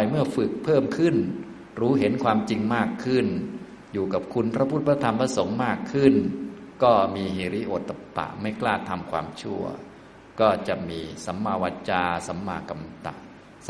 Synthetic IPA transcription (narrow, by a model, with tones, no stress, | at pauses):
jmɯ˥˩ɐfɯ˨˩k̚pʰɤː˥˩mkʰɯ˥˩n | ɾuː˦˥ɦe˩˦nkʰwaː˧mt͡ɕi˧ŋmaː˥˩kʰːɯ˥˩n | juː˨˩ka˨˩p̚kʰu˧npʰɾa˧˥pʰu˦˥˩t̪̚pɾa˧˥t̪ʰa˧mpʰɾa˧˥so˩˦ŋmaː˥˩kʰːɯ˥˩nkɔː˥˩miː˧ɦieː˨˩ɾi˦˥ʔoː˨˩t̪ːa˧pa̰˨˩ʔma˥˩jklaː˥˩t̪ʰa˧mkʰwa̰ː˧mt͡ɕʰu˥˩ɐ | kɔː˥˩t͡ɕa˨˩ʔmiː˧sa˩˦mːaː˧waː˧t̪̚t͡ɕaː˧sa˩˦mːa̰ː˧ka˧mt̪a̰˨˩ʔ